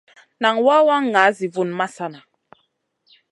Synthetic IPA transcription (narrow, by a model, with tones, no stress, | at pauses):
na˨ŋwa˦wa˦ŋː˨a˨˦zi˨vu˦˨nma˦sa˦na˨